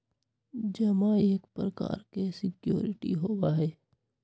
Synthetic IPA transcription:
d͡ʒɐmaeːkpɾəka̰ːɾkesɪkjo̰ːɾɪʈḭɦoːwaɦɛː

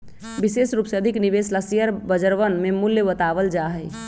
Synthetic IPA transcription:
bisesɾuːpseəd̪ʱiknibeslasijəɾbəd͡ʒəɾʋənmemuljəbət̪aʋəld͡ʒaɦəj

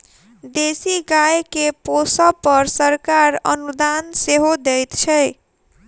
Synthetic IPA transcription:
d̪esiɡajkeposʌpʌɾsəɾkaɾʌ̰nud̪anseɦod̪ejt̪t͡ʃʰəj

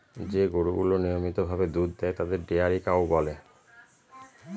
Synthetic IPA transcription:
d͡ʑeɡoɽuɡulonijomit̪obʱabed̪ud̪d̪ɛet̪ad̪eɾɖeaɾikaobɔle

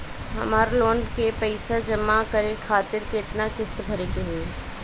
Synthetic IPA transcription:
ɦɐ̰maːɾloːɳɖkepəɪsad͡ʒɐmːakɐɾekʰaːt̪ɪɾkɪt̪nakɪst̪bʱɐɾeːkeɦue

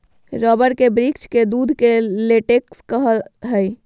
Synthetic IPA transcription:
ɾɔbəɾkebɾikt͡ʃked̪ud̪ʱkeleʈekskəɦəɦəj

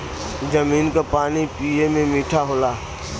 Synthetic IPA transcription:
d͡ʒəmiːnkapaːnipiemẽmiːʈʰaɦoːlaː

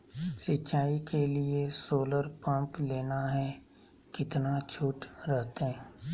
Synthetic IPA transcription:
sɪtːt͡ʃaːikeliesoːləɾpə̃mpleːnaɦɛ | kɪt̪nat͡ʃʰuːʈɾɛɦt̪eɦɛ̃

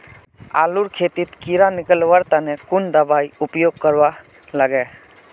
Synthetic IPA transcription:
a̰luɾkʰet̪it̪kiɾanɪkəlwaɾt̪anɛkund̪əbajupjoɡ̚kəɾwa | laɡɛ

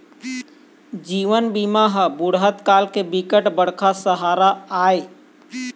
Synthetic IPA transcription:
d͡ʒiːʋənbiːmaɦəbʊɽɦət̪kaːlkebɪkəʈbəɽ̤kʰasəɦaːɾaaːeː

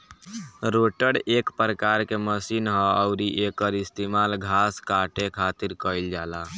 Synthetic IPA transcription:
ɾoʈəɽekpɾəkaɾkeməsinɦɔəʊɾiʔekəɾist̪emalɡʱaskaʈekʰat̪iɾkəɪld͡ʒala

